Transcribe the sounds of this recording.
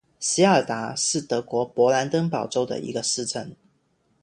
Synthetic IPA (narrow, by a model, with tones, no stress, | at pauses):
si˧˥ə˨˩t̪a˧˥ʂɻ̩˥˩t̪ɤ˧˥kwɔ˧˥pwɔ˧˥la˧˥nt̪ə˥ŋpɑ˨˩ʊʈ͡ʂo˥ʊd̪ə̰˨ʔḭ˧˥ɡə˧ʂɻ̩˥˧ʈ͡ʂə˥˨˩n